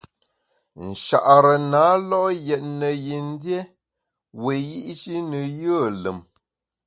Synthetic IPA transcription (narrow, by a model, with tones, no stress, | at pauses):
n̩˨ʃa̰˨ʔɾə˨na˨˦lɔ˦ʔjɛ˨t̚nə˨ji˨n̩˦dje˦ | we˨ji˦ʔʃi˦nə˨jə˦˨lə˨m